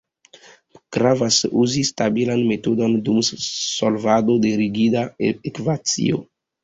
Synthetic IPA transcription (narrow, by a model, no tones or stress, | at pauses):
ɡ̥ɾavasuzistabilanme̞todo̞ndumsolvadodeɾiɡidaekvat͡sḭo̰